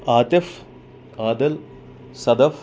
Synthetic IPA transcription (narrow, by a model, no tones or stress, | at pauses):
aːt̪ef | aːd̪ɐl | sɐd̪ɐf